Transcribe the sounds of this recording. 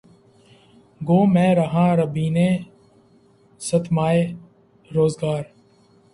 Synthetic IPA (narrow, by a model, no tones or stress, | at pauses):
ɡoːmɛ̃ːɾəɦãːɾəbiːneː | sət̪ʰmaːeː | ɾoːzɡaːɾ